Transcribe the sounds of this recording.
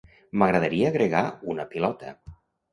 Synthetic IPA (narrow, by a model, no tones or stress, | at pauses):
məɣɾəðəɾiəːɣɾeɣaunəpilɔt̪ə̰